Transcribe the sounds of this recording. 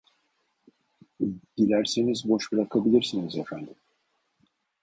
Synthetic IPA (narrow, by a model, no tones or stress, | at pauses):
ɟilʲæɾsinizbo̞ʃbɯɾakʰabilʲiɾsinizefænd̪im